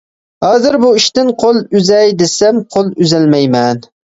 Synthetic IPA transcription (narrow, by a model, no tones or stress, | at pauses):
hɑːzɨɾbuiʃt̪ɪnqʰolˠyzɛjd̪esɛmqʰolˠyzɛlmɛjmɛn